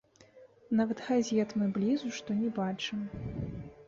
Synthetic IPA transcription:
navɐt̪ɣazʲɛt̪mɨblʲizuʂt̪ɔnʲɛbat͡ʂɨm

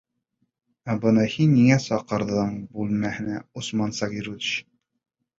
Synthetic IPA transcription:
æbɤ̆nɤhinːiŋæsɑqɤ̆ɾðɤɴbʉlmæhɘ̆næusmɑnsɑɡiɾud̪ɕ

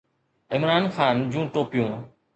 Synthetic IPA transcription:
ɪmɾaːnxaːnd͡ʑũːʈoːpjũː

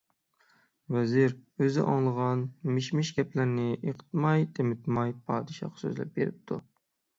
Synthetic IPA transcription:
vɛzɪɾøzɪʔɑŋlˠəʁɑnmɪʃmɪʃɡʲɛplɪɾnɪʔeqʰə̥t̪mɑjt̪ʰemɪt̪mɑjpʰɑːd̪ɨʃɑ̰qsø̰zlɛ̰p̚beɾɪ̰p̚t̪ʰu

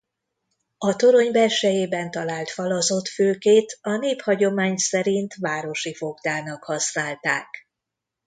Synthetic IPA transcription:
ɒt̪o̞ɾo̞ɲbɛrʃɛjeːbɛnt̪ɒlaːlt̪fɒlɒzo̞t̪føːkeːt̪ɒneːphɒɟo̞maːɲsɛɾint̪vaːɾo̞ʃifo̞ɡd̪aːnɒkhɒsnaːlt̪aːk

